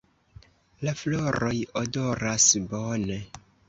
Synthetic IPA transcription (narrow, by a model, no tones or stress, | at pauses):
lafloɾojodo̞ɾasbone